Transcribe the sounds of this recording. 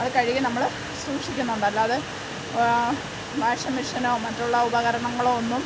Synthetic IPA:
ɐðɨkɐɻikːinɐmːɐɭ | suːkʂikʲːunːɐuɳɖɐlːaɐðɨ | bʱaːʂɐmiʂɐnoːmɐtːuɭːɐubɐɣɐɾɐɳɐŋːɐɭoːonːum

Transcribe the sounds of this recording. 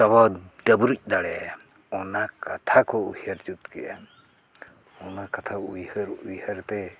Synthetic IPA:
aβaɖəbuɾuc̚ˀd̪aɽɛ | ɔnakat̪ʰakɔuhjəɾd͡ʒut̪kɛ̰ʔa̰ | ɔnakat̪ʰajhəɾujhəɾt̪ɛ

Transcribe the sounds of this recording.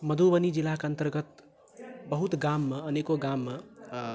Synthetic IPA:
məd̪ʱubənid͡ʒilakənt̪əɾɡət̪ | bəɦut̪ɡamːeənekoɡamːe

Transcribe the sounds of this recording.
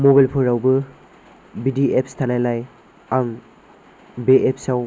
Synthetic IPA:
mobajlpʰuɾawbɯ | bidiep̚stʰanajlaj | aŋ | beʔep̚saw

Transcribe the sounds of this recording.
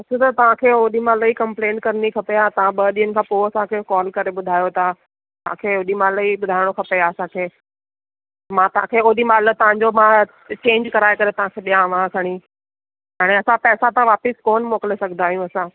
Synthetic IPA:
ɐt͡ɕʰũt̪ɐt̪ɐʋ̤ãkʰeːoːɗimãləikɐ̃mplẽːʈ̚kɐɾnikʰɐpeat̪ɐʋãɓɐɗiːənɪ̆kʰãːpoːɐsãkʰeːkɔːlkɐɾeɓʊd̪ʱaːjot̪ã | t̪ɐ̤ãkʰeːoːɗimaːləiɓʊd̪ʱaːɪɽ̃okʰɐpeaɐsãkʰeː | mãt̪ɐ̤ãkʰeoːɗimaːlət̪ɐʋ̤ãɲ̆d͡ʑomã | t͡ɕẽːɲd͡ʑkɐɾaːekɐɾet̪ɐʋ̤ãkʰeːɗijãʋãkɐɽ̃i | ɦaːɽ̃ẽɐsãpɛːsãt̪ãʋaːpɪskoːnmoːkəlesɐɡʱənd̪aːɦijũɐsãː

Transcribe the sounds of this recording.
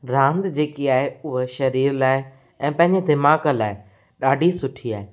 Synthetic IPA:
ɾãːnd̪d͡ʑeːkiaːɦeʊɦeʃɐɾiːɾlaːɪ | ɛ̃ːpɐ̃ɦɪ̃ɲd͡ʑed̪ɪmaːkəlaːɪ | ɗaːɖʱisʊʈʰiaːɦe

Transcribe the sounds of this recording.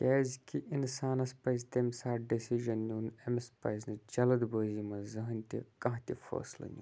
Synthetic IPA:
kʲɛːzʲkiʔinsaːnɐspɐzt̪emʲsaːɾɖisiʒɐnːʲuːnɐmspɐznɨd͡ʒɐlɐd̪boːzimɐzɨɦɨnʲt̪ʲḭkɐ̃ɦt̪ʲifo̰ːslɐ̰nʲṵ

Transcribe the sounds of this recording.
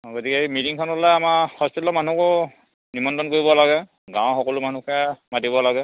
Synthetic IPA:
ɡotikɛmitiŋkʰɔnlɛamaxɔspitlɔman̤ukɔ | nimɔndɔnkoɹibɔlaɡɛ | ɡãw̃xɔkɔlʊmanukɛmadibɔlaɡɛ

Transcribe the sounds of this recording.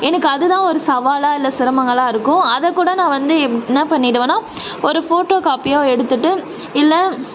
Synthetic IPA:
ɛnɐkːɯɐðɯt̪ãːɔɾɯsɐʋaːlaːɪlːɐsɪɾɐmɐŋɡɐɭãːɪɾɯkːʊ̃ɐðɛkːuːɽɐnãːʋɐnd̪ɯɛpːnːɐpɐɳːɪɽɐʋẽːnaː | ɔɾɯfoːʈːoːkaːpɪjoːɛɽɯt̪ːɯʈːɯ | ɪlːɐ

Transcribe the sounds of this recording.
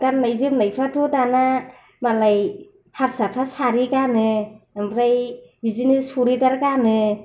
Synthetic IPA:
ɡanːajzɯpnajpʰɾatʰutana | malaj | haɾsapʰɾasʰaɾikanɯmɾajbizinɯsuɾidaɾkanɯ

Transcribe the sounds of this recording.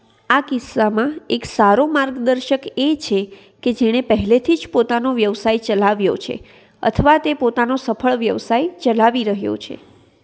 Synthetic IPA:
akɪsːamãeksaɾomaɾɡd̪əɾʃəket͡ʃʰe | ked͡ʒeɽ̃epəɦɛlet̪ʰid͡ʒpot̪anoʋjəʋsajt͡ʃəlaʋjot͡ʃʰḛ | ə̰t̪ʰəʋat̪epot̪anosəfʰəɭʋjəʋsajt͡ʃəlaʋiɾəɦjo̰t͡ʃʰḛ

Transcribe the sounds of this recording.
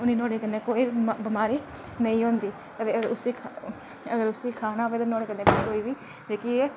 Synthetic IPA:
ʊniːnoːɽeːkənːeːkoːiːbɪmaːɾiː | nəĩːɦõːnd̪iː | kət̪eːəɡɾʊsikʰ | əɡəɾʊsiːkʰaːnaːɦoːʋeːt̪aːnoːɽeːkənːeːkːkoːiːʋiː | d͡ʒeːkieː

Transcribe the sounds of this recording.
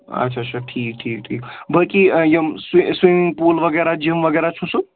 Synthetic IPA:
ɐ̰tːʃʰat͡ʃʰɐʈʰiːk̚ʈʰiːk̚ʈʰiːkbəlkijəmswiswimiŋɡpoːlʋɐɡɛːɾad͡ʒimʋəɡɛːɾat͡ʃʰũsu

